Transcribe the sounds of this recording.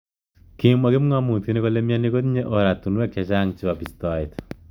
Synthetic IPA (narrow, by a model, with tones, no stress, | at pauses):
ki˦mwa˨ke˦m˦ŋa˦mu˨ti˦ne˦ko˦le˦mja˦ni˦ko˦t̪ɲe˦ʔo˨ɾa˨tu˨nwe˦ke˨t͡ʃa˦ŋt͡ʃi˦wa˨pi˨stɔ˨it̪